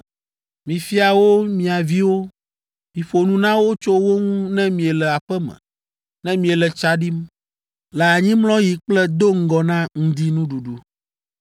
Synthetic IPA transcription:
mĩ˨fi˦a˨wo˦mĩ˨a˨vi˦wo˦ | mĩ˨ɸo˨nũ˦nã˦wo˦t͡ʃo˦wo˦ŋũ˦nɛ̃˦mĩ˨ɛ˨lɛ˨a˨ɸɛ˦mɛ̰̃˨ | nɛ̃˦mĩ˨ɛ˨lɛ˨t͡ʃa˦ɖi˦m | lɛ˨a˨ɲĩ˦mlɔ̃˦ji˨k͡plɛ˦d̪o˦ŋ̩˦ɡɔ˨nã˦ŋ̩̃˦d̪i˦nũ˦ɖu˨ɖu˦

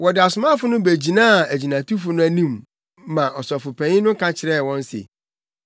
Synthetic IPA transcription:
wɔ˨dɪ˨a˨sʊ˨mã˦fʊ˦nʊ̃˦bæ˨d͡ʑi˨nãː˦˨æ˨d͡ʑi˨nã˨tu˦fʊ˦nʊ̃˦æ˦nĩ˦mː | ã˨ʔɔ˨sɔ˨fʊ˨pʰæ̃˨˦ɪ̃˦nʊ̃˦kʰã˦t͡ɕʰɪ˨ɾɛ˦˨wɔ̃˦n˦sɪ̰˨

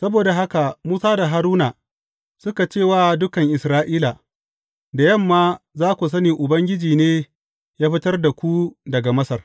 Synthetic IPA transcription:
sɐ˦boː˨da˨ɦa˦ka˨muː˦saː˦da˨ɦa˦ɾuː˦na˨ | sʊ˦ka˨t͡ʃeː˦˨waː˦dʊ˦kɐ˨ŋʔɪ˨sɾaː˦ʔiː˦la˨ | da˨jɐ˦˨mːaː˦zaː˦kʷu˨s̬ɐ˦niː˨ʔʊ˨bɐ˦ŋɡʲɪ˦d͡ʒiː˨neː˦ | jaː˦ɸɪ˦tɐ˦rda˨kʷu˦dɐ˨ɡa˨mɐ˦sɐ˨r

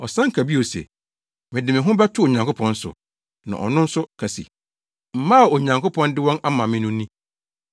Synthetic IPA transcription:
ɔ˨sã˦ŋ̩˦kʰa˨bi˦o˨sɛ̰˨ | mɪ̃˨dɪ˨mɪ̃˨ɦʊ̃˦bɛ˦tʰʊ˦o˨ɲã˨ŋkʰo˦pʰɔ̃˦n˦sʊ̰˨ | nã̰˨ʔɔ̰˨nʊ̃˦n̩˦sʊ˦kʰa˨sḭ˨ | m̩˨mã˦˨o˨ɲã˨ŋko˦pʰɔ̃˦ndɪ˦wɔ̃˦na˦mã˨mɪ̃˦nʊ̃˦nĩ˦

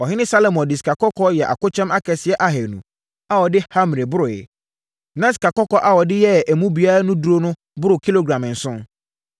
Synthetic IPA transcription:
ɔ˨ɦɪ̃˦nɪ̃˦sa˦lo˨mɔ̃˨ndɪ˨si̥˨ka˨kɔ˦kʰɔ˦jɛ˨ʔa̰˨kʊ˦t͡ɕʰᶣɛ̃˦ma˦kʰɛ˨sɪ˨˦ɛ˦ʔa˦ɦɛ˨nũ˨ | a˦wɔ˨dɪ˦ha˦m˨ɾe˨bʊ˦ɾʊ˨jɛ̰˨ | nã˨˦si̥˨ka˨kɔ˦kɔ˦ʔa˨wɔ˨dɪ˦jɛ˦æ˨mũ˦bi˨˦a˦ɾa˦nʊ̃˦du˦ɾo˦nʊ̃˦ | bʊ˦ɾʊ˨kʰi˦lo˦ɡɾã˨m̃˨n̩˨sʊ̃˦n

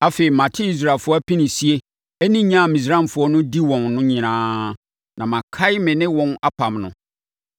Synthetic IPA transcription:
a˦fe˨i˨mã˨tʰɪ˦i˦s̬ɾa˨lfʊ˦ɔ˦æ˦pi˦nĩ˨si˦e˦ | e˦nĩ˦ɲã˦˨mĩ˨s̬ɾã˦mfʊ˨ɔ˦nʊ̃˦di˦wɔ̃˨nnʊ̃˦ɲɪ̃˨nãː˦ | nʔã˨mã˨kʰa˦ɪ˦mɪ̃˨nɪ̃˦wɔ̃˨na˦pʰã˨mnʊ̰̃˨

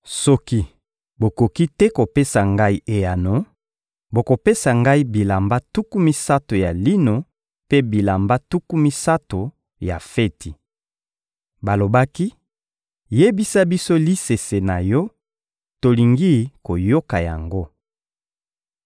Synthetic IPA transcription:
sɔ˦ki˦ | bo˨ko˨ki˦tɛ˦ko˨pe˦sa˨ŋɡa˦i˦ʔe˨ja˨no˨ | bo˨ko˨pe˦sa˨ŋɡa˦i˦bi˨la˨mba˦tu˦ku˦mi˦sa˦to˨ja˨li˦no˨ | pe˦bi˨la˨mba˦tu˦ku˦mi˦sa˦to˨ | ja˨fe˦tʰi˨ | ba˨lo˨ba˦ki˦ | je˦bi˦sa˦bi˦so˦li˦se˨se˨na˨jɔ˦ | to˨li˨ŋɡi˦ko˨jo˦ka˨ja̰˨ŋɡo˦

